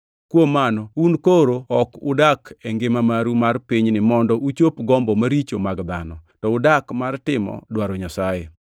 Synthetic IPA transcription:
kwomanɔunkoɾoɔkʊ̰dakeŋɡɪmamaɾumarpiɲnɪmɔndɔʔut͡ʃopɡɔmbɔmaɾit͡ʃomaɡd̪anɔtɔʊdakmartɪmɔ̰dwaɾɔɲasaje

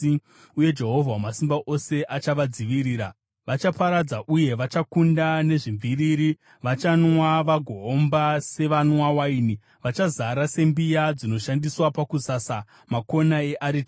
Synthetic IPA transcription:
uje̞d͡ʒe̞ɦo̞vʱawamasimbaʔo̞se̞ʔat͡ʃaʋad͡ziʋiɾiːɾa | ʋat͡ʃapaɾad͡zaʔuje̞ʋat͡ʃakundane̞ʐiɱviriɾi | ʋat͡ʃanwaʋaɡʱoːmbase̞ʋanwawaini | ʋat͡ʃazaɾase̞mbijad͡zino̞ʃandiswapakusasa | mako̞naeʔaɾit

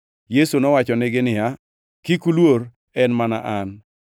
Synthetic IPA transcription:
jesunɔwat͡ʃɔnɪɡɪnɪa | kikulwoɾ | ɛnmana̰ʔan

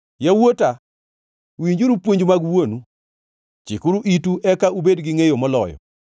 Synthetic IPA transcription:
jawota | wiɲd͡ʒuɾupwoɲd͡ʒmaɡwonu | t͡ʃikʊɾuʔituʔɛkaubedɡɪŋejomɔlɔ̰jɔ̰

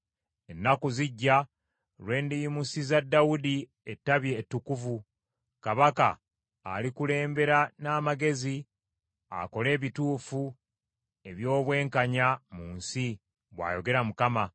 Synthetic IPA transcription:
e̞nːakuziɟːa | lwe̞ːndijimusizadːawudi | etːaβje̞ːtːukuvu | kaβaka̰ | a̰likule̞ːmbe̞ɾanaːmaɡe̞zi | a̰ko̞le̞ːβituːfu | e̞βjo̞ːβwe̞ːŋkaɲamuːnsi | βwa̰ːjo̞ɡe̞ɾamukama

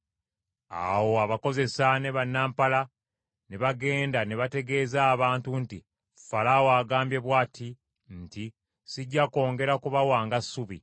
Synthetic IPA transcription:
a̰wo̞aβako̞ze̞sane̞βanːaːmpala | ne̞βaɡe̞ːndane̞βate̞ɡe̞ːzaːβaːntunti | falawaːɡaːmbje̞βwaːtʰi | nti | siɟːako̞ːŋɡe̞ɾakuβawaːŋɡasuβi

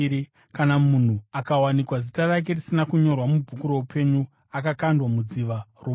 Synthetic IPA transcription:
ɾi | kanamun̤uakawanikwazitarak̬e̞risinakuɲo̞rwamubʱukuɾo̞upʰe̞ɲu | akakandwamud͡ziʋaro

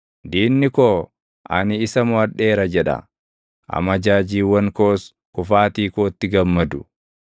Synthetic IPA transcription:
d̪iːnːɪkoː | ʔɐ̰nɪɪsɐmʊɐᶑe̞ːɾɐd͡ʒɛᶑɐ̰ | ʔɐ̰mɐd͡ʒaːd͡ʒiːwɐŋkoːs | kʊfaːt̪iːkoːt̪ːɪɡɐmːɐd̪ʊ

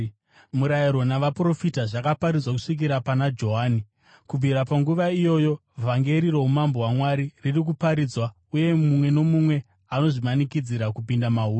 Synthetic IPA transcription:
muɾaiɾo̞naʋapro̞fitaʐakapaɾid͡zwak̬u̥ʂik̬iɾapanad͡ʒo̞ɦaːni | kub͡viɾapaŋɡuʋaijo̞ːjo̞vʱaŋɡe̞ɾiɾo̞umambo̞wamwaɾiririk̬upaɾiːd͡zwa | uje̞mumwe̞no̞mumwe̞ | ano̞ʐimanikid͡ziɾakupindamauːo

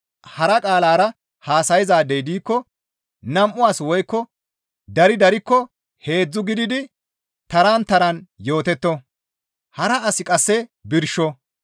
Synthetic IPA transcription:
hɐɾɐkʼaːlaːɾɐ | haːsɐjɪzaːd̪ejd̪iːkːɔ | nɐmʔʊaːswɔjkːɔ | d̪ɐɾɪd̪ɐɾɪkːɔ | he̞ːd͡zːʊɡɪd̪ɪd̪ɪ | t̪ɐɾaːnt̪ɐɾɐnjo̞ːt̪ɛt̪ːɔ | hɐɾɐɐsɪkʼɐsːɛbɪɾʃɔ

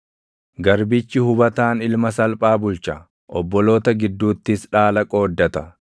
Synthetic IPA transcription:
ɡɐɾbɪt͡ʃːɪhʊbɐt̪aːnɪlmɐsɐlpʼaːbʊlt͡ʃɐ | ʔɔbːɔlo̞ːt̪ɐɡɪd̪ːuːt̪ːɪsᶑaːlɐkʼoːd̪ːɐt̪ɐ

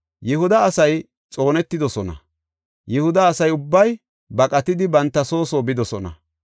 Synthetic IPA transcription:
jɛhʊd̪ɐːsɐj | t͡sʼo̞ːnɛt̪ːɪd̪ɔsɔnɐ̰ | jɛhʊd̪ɐːsɐjʊbːɐj | bɐkʼɐt̪ɪd̪ɪbɐnt̪ːɐso̞ːsoːbɪd̪ɔsɔnɐ̰

